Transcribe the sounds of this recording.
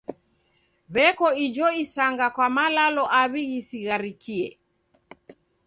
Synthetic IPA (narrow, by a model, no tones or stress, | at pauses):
βɛkɔid͡ʒɔisaŋɡakwamalalɔʔaβiɣisiɣaɾikiɛ̰